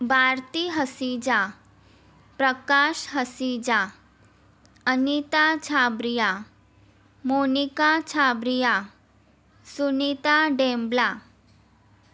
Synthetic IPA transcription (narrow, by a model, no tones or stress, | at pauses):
baɾt̪iɦəsid͡ʑa | pɾəkaʃɦəsid͡ʑa | ənit̪at͡ɕʰabɾija | monikat͡ɕʰabɾija | sunit̪aɖẽmbla